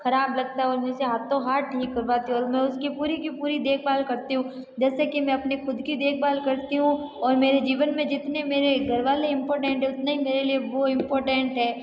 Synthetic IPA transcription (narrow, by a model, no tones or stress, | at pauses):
xɐɾaːblɐɡ̚t̪aɦɛɔːɾmɛ̃seɦaːt̪õɦaːʈʈʰiːkːɐɾʋaːt̪ĩɔːɾmɛ̃ʊskipuːɾikipuːɾid̪eːkʰbaːlkɐɾt̪iɦũ | d͡ʒɛːsekimɛ̃ɐpnexʊd̪ʱkid̪eːkʰbaːlkɐɾt̪iɦũɔːɾmeːɾed͡ʒiːʋənmẽd͡ʒɪt̪nemeːɾeɡʱɐɾʋaːleɪ̃mpɔːɾʈɛ̃ɳʈɦɛʊt̪naɦimeːɾelieʋoɪ̃mpɔːɾʈɛ̃ɳʈɦɛː